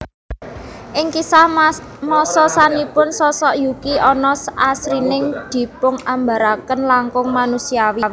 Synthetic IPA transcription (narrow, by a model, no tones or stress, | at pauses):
ʔɪŋkisahmɔsɔsanipʊnsɔsɔʔjukiʔɔnɔsasɾinɪŋd̪̥i̤pʊŋamba̤ɾakənlaŋkʊŋmanusiawiw